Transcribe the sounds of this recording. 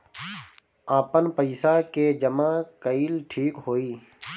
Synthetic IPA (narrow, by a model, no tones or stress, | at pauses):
aːpənpəɪsaked͡ʒəmãkəiːlʈʰiːkɦoːiː